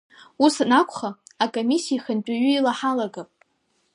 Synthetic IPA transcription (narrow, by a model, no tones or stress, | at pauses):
usanakʷʰχaakʼomisiiχəntʼaɥʏilaħalaɡapʼ